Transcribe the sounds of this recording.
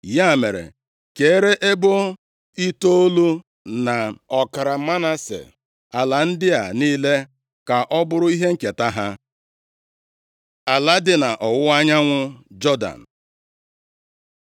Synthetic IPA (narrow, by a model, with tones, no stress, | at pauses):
ja˦˨me˨ɾḛ˨ | ke˨˦ɾe˦ʔe˦bo˦ | i˦to˦o˦lu˦ | na˨ɔ˨ka˨ɾa˨˦ma˦na˦sḛ˨ | a˨la˨n̩˦dɪ˦a̰˨niː˦le˦ | ka˨ʔɔ˦bʊ˦ɾʊ˦i˦ɦe˦ŋ̩˨ke˨ta˦ɦa˦ | a˨la˦dɪ˨na˨ʔɔ˨wʊ˦a˦ɲa˦ŋʷʊ˦d͡ʒɔ˦da̰˨n̩˨